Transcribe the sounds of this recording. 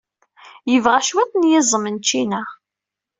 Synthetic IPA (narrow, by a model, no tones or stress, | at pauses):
jəvʁæʃwæt̪ːnjɪzˤəmənt͡ʃːinæ